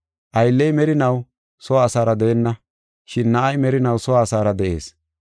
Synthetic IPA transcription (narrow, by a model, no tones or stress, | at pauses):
ʔɐjlːɛjmɛɾɪnɐw | sɔwaːsaːɾɐd̪ɛʔɛnːɐ | ʃɪnːɐʔɐjmɛɾɪnɐwsɔwaːsaːɾɐd̪ɛʔe̞̰ːs